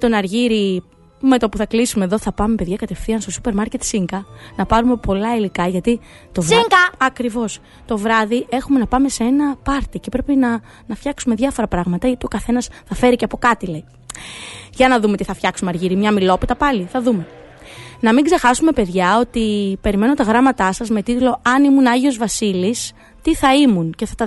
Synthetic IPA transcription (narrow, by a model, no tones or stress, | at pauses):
t̪o̞nɐɾʝiɾi | me̞t̪opuθɐklisume̞ðo̞θɐpɐme̞pe̞ðʝɐkɐt̪e̞fθiɐnst̪o̞supe̞ɾmɐɾce̞t̪siŋɡɐnɐpɐɾume̞po̞lɐilikɐʝɐt̪i | t̪o̞viŋkɐɐkɾivo̞s | t̪o̞vɾɐðiʔe̞xume̞nɐpɐme̞see̞nɐpɐɾt̪icepɾe̞pinɐ | nɐfçɐksume̞ðjʝɐfo̞ɾɐpɾɐɣmɐt̪ɐʝɐt̪io̞kɐθe̞nɐsθɐfe̞ɾiceɐpo̞kɐt̪ilei | ʝɐnɐðume̞t̪iθɐfçɐksumɐɾʝiɾimɲɐmilo̞pit̪ɐpɐliθɐðume̞ | nɐmiŋɡzexɐsume̞pe̞ðʝɐo̞t̪ipe̞ɾime̞no̞t̪ɐɣɾɐmɐt̪ɐsɐzme̞t̪it̪lo̞ɐnimunɐʝio̞zvɐsilis | t̪iθɐimunce̞θɐt̪ɐ